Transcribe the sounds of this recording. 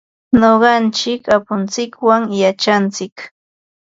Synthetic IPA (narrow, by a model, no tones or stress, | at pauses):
noɢɑnt͡ʃɪkapʊnt͡sɪkwaŋjat͡ʃant͡sɪk